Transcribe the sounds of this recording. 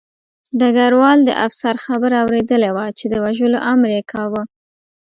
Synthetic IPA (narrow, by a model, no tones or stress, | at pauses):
ɖaɡaɾwɑld̪ə̰ʔafsaɾxabəɾawɾed̪əlewat͡ʃed̪əwaʒəloʔamɾekʰɑwə